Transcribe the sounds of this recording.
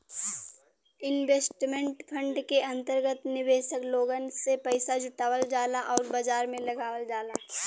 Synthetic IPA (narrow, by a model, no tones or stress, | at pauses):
ɪnʋeːsʈmẽɳʈpʰə̃ɳɖkeɐ̃nt̪əɾɡət̪nɪʋeːʃəkloːɡənsepəɪsad͡ʒʊʈaːwəld͡ʒaːlaʔɔːɾbəd͡ʒaːɾmẽlɐɡaːʋəld͡ʒaːlaː